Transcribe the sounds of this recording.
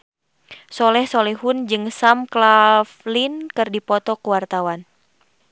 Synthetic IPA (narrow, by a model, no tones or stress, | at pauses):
sɔlɛhsɔlɛɦund͡ʒɨŋsamklaflinkɨrdipɔt̪ɔkuwart̪awan